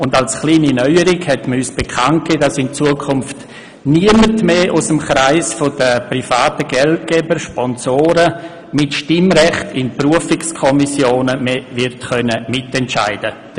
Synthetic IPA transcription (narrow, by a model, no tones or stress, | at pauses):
ʊndalsχliːninœʏəɾɪkhɛtməyːsb̥ekʰant̚keːdasɪnt͡suəkʰʊmft | niəmətmeːʔʊsəmχɾaɪsfod̥əpɾifaːtəɡ̥ɛlt̚kɛbəʃpɔnsoːɾə | mɪtʃtɪmɾɛχtɪnpruəfɪkskʰɔmisjoːnəmevɪɾtχœnəmɪtɛntt͡ʃa̰ɪd̥ə